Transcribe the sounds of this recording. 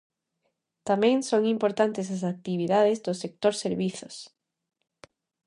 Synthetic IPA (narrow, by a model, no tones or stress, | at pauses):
t̪amẽŋsoŋimpoɾt̪ant̪es̬as̬ak̚t̪iβ̞iðaðezðosek̚t̪oɾseɾβiθos